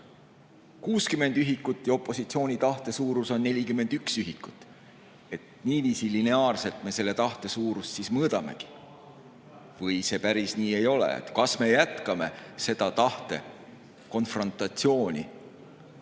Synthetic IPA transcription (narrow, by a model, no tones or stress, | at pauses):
kuːskyme̞nd̪̥yɦikːˑut̪ːˑjɑo̞pːˑo̞sit̪sio̞ːnʲit̪ɑht̪e̞suːɾuso̞nːe̞lʲikyme̞nd̪̥yksyɦikːˑu̥t̪ːˑ | e̞t̪niːviːsiline̞ɑːrse̞lt̪me̞se̞lːe̞t̪ɑht̪e̞suːɾussismɤːd̪̥ɑme̞̰ɡ̥i̥ | vɤjse̞pæɾisniːe̞jo̞lḛḛt̪ˑkɑsme̞jæt̪kɑme̞̰se̞d̪̥ɑt̪ɑht̪e̞ | ko̞nfro̞nt̪ːˑɑt̪sio̞ːnʲḭ